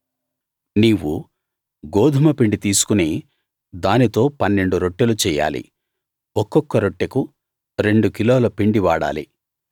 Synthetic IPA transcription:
niːwu | ɡoːd̪ʱumɐpiɳɖit̪iːsu̥kuniː | d̪aːnit̪o̞ːpɐnːe̞ɳɖuɾo̞ʈːelut͡ʃɛːjːa̰ːlḭ | ɔkːɔkːɐɾoʈːeku | ɾe̞ɳɖukiloːlɐpiɳɖiʋaːɽa̰ːlḭ

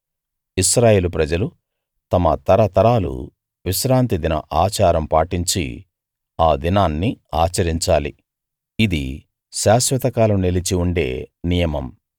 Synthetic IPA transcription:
iʃɾaːje̞ːlupɾɐd͡ʒɐlu | t̪ɐmɐt̪ɐɾɐt̪ɐɾaːlṵ | ʋiʃɾaːnt̪id̪inɐ̰ʔaːt͡ʃaːɾɐmpaːʈiɲt͡ʃḭ | aːd̪inaːnːiaːt͡ʃɐɾiɲt͡ʃaːlḭ | id̪ḭ | ʃaːʃʋɐt̪ɐkaːlɐmnelit͡ʃiuɳɖe̞̰ːnijɐmɐm

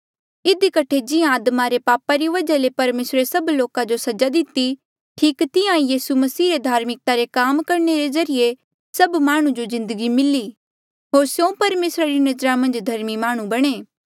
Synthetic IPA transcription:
ɪd̪ikɐʈʰed͡ʒɪjãːd̪maɾepaːpaɾiʋɐd͡ʒalepɐɾmeːsɾesɐbloːkad͡ʒosɐd͡ʒad̪ɪt̪i | ʈʰiːkt̪ɪjãijiːsumɐsiːɾed̪ʱaːɾmɪk̚t̪aɾekaːmkɐɾneɾezɐɾɪje | sɐbmaːɽ̃ũd͡ʒozɪ̃nd̪əɡimɪli | ɦoːɾsjõːpɐɾmeːsɾaɾinɐd͡ʒɾamɐ̃nd͡ʒd̪ʱɐɾmimaːɽ̃ũbɐɽ̃eː

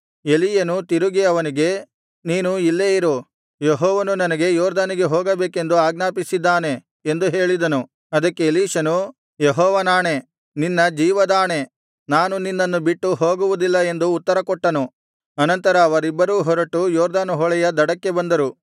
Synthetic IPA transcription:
e̞lijɐnut̪iɾuɡiɐʋɐniɡe̞ | niːnuilːeːjiɾu | jeɦɔːʋɐnunɐnɐɡe̞jɔːɾd̪aːniɡe̞ɦoːɡɐbeːke̞nd̪uaːɡnaːpisid̪ːaːne̞ | end̪uɦe̞ːɭid̪ɐnu | ɐd̪ɐkːe̞liːʂɐnu | jeɦɔːʋɐnaːɳe̞ | ninːɐd͡ʒiːʋɐd̪aːɳe̞ | naːnuninːɐnːubiʈːuɦoːɡuʋud̪ilːɐe̞nd̪uːt̪ːɐɾɐkɔʈːɐnu | ɐnɐnt̪ɐɾɐːʋɐɾibːɐɾuːɦɔɾɐʈːujɔːɾd̪aːnuɦɔɭɛjɐd̪ɐɽɐkːe̞bɐnd̪ɐɾu

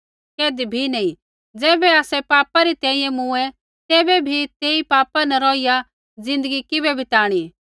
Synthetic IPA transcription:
keːd̪ibʱinɐĩ | d͡zɛːbɛaːsɛpaːpaɾit̪ɛ̃ːĩjɛ̃mũɛ | t̪ɛːbɛbʱit̪eːipaːpanɐɾɔːija | d͡zɪ̃nd̪əɡikɪbɛbʱit̪aːɽ̃i

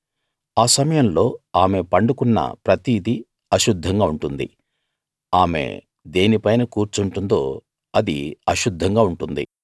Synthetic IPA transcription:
aːsɐmɐjɐmlo̞ːaːme̞pɐɳɖukunːɐ̰pɾɐt̪iːd̪i | ɐʃud̪ʱːɐŋɡaːuɳʈund̪ḭ | aːme̞̰ | d̪eːnipɐjnɐkuːɾt͡ʃuɳʈund̪o̞ː | ɐd̪ḭɐʃud̪ʱːɐŋɡaːuɳʈund̪ḭ

